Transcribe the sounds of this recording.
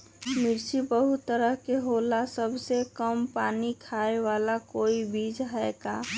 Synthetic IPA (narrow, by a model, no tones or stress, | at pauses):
mɪɾt͡ʃibəɦut̪ːəɾəɦkeɦolasəbʱsekəmpaːnikʰaewaːlakoːibid͡ʒɦɛkaː